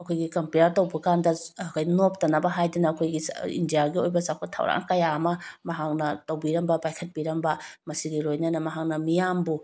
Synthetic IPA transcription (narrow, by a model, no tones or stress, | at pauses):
ɐkʰojɡikɐmpijaɾtɐwbɐkandɐkʰajnop̚tɐnɐbɐɦajdɐnɐːkʰojɡiḭndijaɡiojbɐsakʰatʰa̰wɾa̰ŋkɐjaɐmɐmɐɦak̚nɐtɐwbiɾɐmbɐpajkʰɐt̚biɾɐmbɐmɐsiɡilojnɐnɐmɐɦak̚nɐmijambu